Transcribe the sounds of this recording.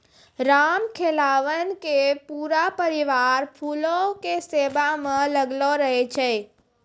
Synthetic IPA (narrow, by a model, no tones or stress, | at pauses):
ɾamkʰelaʋənkepuɾapəɾiʋaɾpʰulokesebamə̃ləɡloɾəɦɛt͡ʃʰɛ